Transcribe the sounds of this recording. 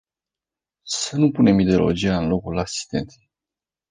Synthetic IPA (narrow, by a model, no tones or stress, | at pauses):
sənupune̞mid̪eolo̞̰d͡ʒiaɨnlo̞kulasi̥st̪e̞̰nt̪